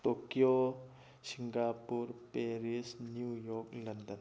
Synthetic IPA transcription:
t̪okijo | siŋɡapuɾpeɾisnjujɔklɐnd̪ən

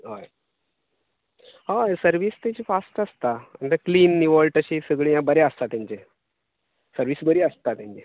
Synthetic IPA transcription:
ɦoj | ɦajsəɾʋiːst̪ẽt͡ɕifasʈəst̪aə̰nt̪əkliːnːiʋəɭʈəɕiːsəɡɭiːjãbəɾeəst̪at̪jãɲt͡ɕe | səɾʋiːsbəɾiːəst̪at̪jãɲt͡ɕe

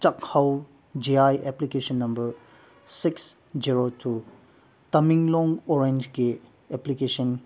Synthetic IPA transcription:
t͡ʃɐk̚hɐw | d͡ʒiajʔeplikesɐnːɐmbɐɾ | siks | d͡ʒiɾotʰu | tɐmiŋlɔŋoɾend͡ʒɡi | eplikesɐn

